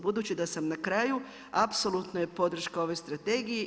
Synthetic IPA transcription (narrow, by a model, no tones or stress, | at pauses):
bud̪uːt͡ɕid̪asamnakɾaːju | apso̞lˠut̪noje̞po̞d̪r̩ʃkao̞ʋo̞jst̪ɾat̪e̞ɡije